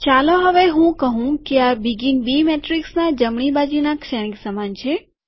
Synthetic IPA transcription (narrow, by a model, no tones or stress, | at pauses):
t͡ʃaloɦəʋeɦũkəɦũkeabiɡinbimɛʈɾiksnad͡ʒəmɳibad͡ʒinakʃɛñiksəmant͡ʃʰe